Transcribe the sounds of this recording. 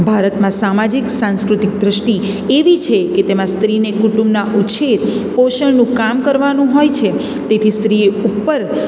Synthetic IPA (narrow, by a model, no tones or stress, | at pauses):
bʱaɾət̪mãsamad͡ʒiksãnskɾut̪ik̚d̪ɾəʃʈi | eʋit͡ʃʰeket̪emãst̪ɾinekuʈumbnaʔuʃʰet̪poʃəɳnũkamkəɾʋanũɦojt͡ʃʰe | t̪et̪ʰist̪ɾiupːəɾ